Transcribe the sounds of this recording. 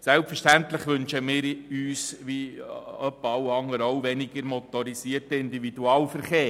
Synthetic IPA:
sɛlpfəʃtænt̪ləχʋɵnʃəmɪːɾyːsʋiœpːɑwɑŋːəɾowʋɛniɡəɾmɔt̪ɔɾisiːərtəɪnd̪ividuɑːlfəɾχeː

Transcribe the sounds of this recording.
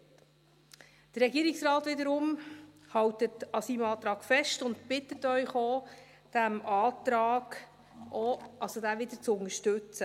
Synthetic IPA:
d̥ərːɛɡiːɾiksrɑːtvɪdəɾʊm | hɑwtətɑsiːmɑːt̪ɾɑːɡ̥fɛʃtʊntpɪtːətœʏχoː | d̥æmɑːt̪ɾɑːɡ̥ | ʔoʔɑsodævʋɪd̪ət͡sʊnəʃtɵt͡sə

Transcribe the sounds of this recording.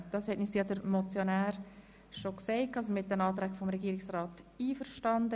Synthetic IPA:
d̥ɑshɛtnisijɑdəɾmɔt͡sjonæːɾ | ʃokseɪkʰɑːsmɪt̚d̥ɛnɑːt̪ɾɛɡfɔmɾɛɡiːɾɪksrɑːtiːfəɾʃtɑndə

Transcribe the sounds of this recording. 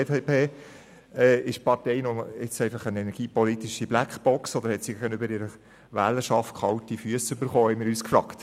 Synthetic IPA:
teːpʰeː | ɛːɪʃpɑtɛɪnɔɪt͡sɛɪfɑχənɛnɛɾɡ̥iːpɔlit̪iʃiblækχb̥ɔksɔd̪əɾhɛtsiɡæɡənøbəɾɪɾə | ʋæ̰ːləʃɑft̚kʰɑltifyəsʏbəɾχoːhɛɪmɪɾyːskfɾɑkt

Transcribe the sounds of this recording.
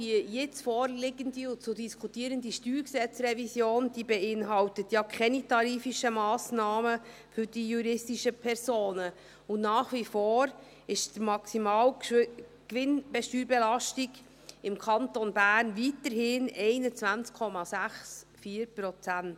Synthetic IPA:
dijɪt͡sfɔːɾlɪɡənd̪iʊnt͡sʊdiskʰutiːəɾəndiʃtyːɾksɛt͡srɛvisjoːnd̥ibɛɪnɦɑwtət̪jɑkʰχɛnitɑɾiːfiʃəmɑːsnɑːmə | fʏɾd̥ijuɾɪstiʃəpʰɛɾsoːnə | ʊnnɑːχʋifoːɾ | ɪʃdəmɑksimɑːw | kʋɪnb̥ɛʃtyːɾbɛlɑʃtiɡ | ɪmkʰɑntonbæːrnvitəɾhɪnɛɪnət͡svænt͡skʰɔmɑsæχs | fiːəɾprɔt͡sænt

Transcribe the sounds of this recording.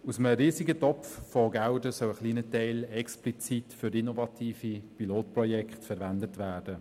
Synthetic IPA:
usəməɾiːziɡətɔpffɔɡaʊdəsœwəχliːnətɛɪlɛksplit͡sitfyɾinovɑtʰiːfipiloːtprɔjɛkχtfɛɾvændətʋæːrd̥ə

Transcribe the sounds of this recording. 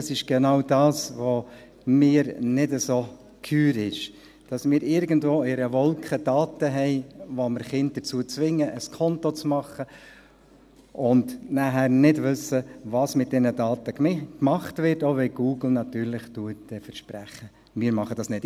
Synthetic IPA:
sɪʃɡ̥ɛnɑʊdɑːsʋo | mɪːəɾnɪdəso | kʰyːɾɪʃ | d̥ɑsmɪːɾɪɾɡən̩dvoːɪɾəvɔlkʰχəd̥ɑːtəɦɛɪʋoməɾχɪnt̚d̥ət͡suːət͡sʋɪŋːəʔəskʰɔntot͡smɑχə | ʊndnæɦæːɾnɪdʋʏsəʋɑsmɪt̚d̥ɛnədɑːtəkmɑχtvɪɾtoːʋɛɡ̥uːɡl̩ˠnɑtyːɾlɪχtuət̚d̥ɛfəɾʃpɾæχə | mɪːɾmɑχəd̥ɑsnɪt

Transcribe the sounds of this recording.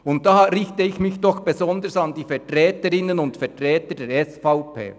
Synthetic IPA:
ʊnt̚dɑːɾɪçtəɪçmɪçd̥ɔxb̥ezɔndəɹsɑndiːfɛtʁɛːtəɾɪnənʊndfɛtʁɛːtədɛːɾɛsfaʊpʰḛː

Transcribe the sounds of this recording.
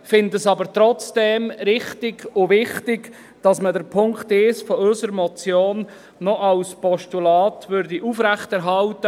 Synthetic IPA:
fɪndəsɑbəɾtɾɔt͡sd̥ɛmɾɪχtɪɡʊvɪχtɪɡ | d̥ɑsmədəɾpʰʊŋktɪsfɔʏsəɾmɔt͡sjoːnː | ɔʔɑlspɔʃtulɑːtvøɾdiʔufɾæχtɛɾɦɑltə

